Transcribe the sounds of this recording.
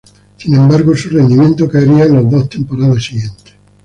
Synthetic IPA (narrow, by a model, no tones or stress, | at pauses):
sinẽ̞mbaɾɣosurend̪imjent̪okaeɾiaenlozðoht̪empoɾaðesiɣje̞nt̪e̥s